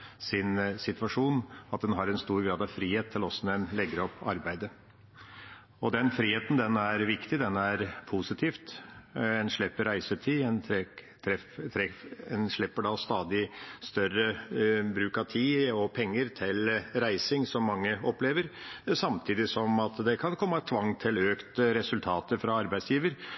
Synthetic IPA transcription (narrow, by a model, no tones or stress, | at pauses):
sɪnsɪt̪ʋɑʂuːnɑt̪̚d̪ɛnɦɑɾɛnst̪uːɾɡɾɑːd̪ɑʋfɾiːheːt̪ʰːɪlɔsːɔnɛnlɛɡəɾɔpːɑɾbæɪd̪ə | ɔd̪ɛnfɾiːheːt̪n̩d̪ɛnæɾʋɪkt̪ɪd̪ɛnæɾpʰusɪt̪ʰiːft̪ | ɛnʂɭɪpːəɾæɪsət̪ʰiːɛnʰt̪ʰɾɛ | t̪ʰɾɛɛnʂɭɪpːəɖɑst̪ɑːd̪ɪst̪œɾəbɾʉːkɑt̪ʰiːɔpʰɛŋːəɾt̪ʰɪlɾæɪsɪŋsɔmːɑŋːəɔpleːʋəɾsɑmt̪ʰiːd̪ɪsɔmɑt̪d̪ɛkʰɑnkʰɔmːɑt̪ʰʋɑŋːt̪ʰɪløːkt̪ɾɛsʉlt̪ʰɑːt̪əfɾɑɑɾbæɪsjiːʋəɾ